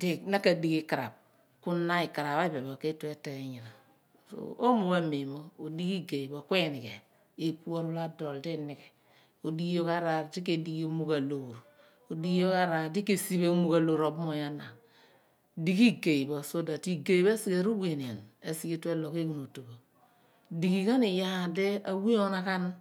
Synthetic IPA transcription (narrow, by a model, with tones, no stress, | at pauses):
di˦na˦ka˨di˨ki˦ka˨ɾa̰˨b̚ | ku˦na˦i˨ka˨ɾa˨βa˦i˦be˨bo˨ke˦tu˦e˦te˨e˨ɲi˨ɾa˨ | so̰˨o˦mo˨ba˦me˨mo˦o˨di˦ki˦ɡe˨i˨bo˨kʷe˦˨ni˨kḛ˨ | e˦pu˦o˦ɾu˦la˦do˨lde˦ni˨ke˨ | o˨di˦jo˦ka˦ɾa˨di˦k̬e˨di˨ɡi˦mu˦ka˨lo˨ɾ | o˨di˨˦ɡi˦jo˦ka˦ɾa˨di˦ke˨si˦be˦mu˦ɡa˨lo˨ɾo˨bmo˨ja˦na˨ | di˨ki˦ɡe˨i˨bo˨so˦da˨ti˦ɡe˨i˨be˦si˦ɡe˨ɾu˦we˨ni˨a˨ne˨si˨ki˦te˦lo˨ke˦ku˨no˨to˨ɡo˨ | di˨ɡi˨ka˦ni˨ja˦de˦a˨wi˦o˦na˦ka˦n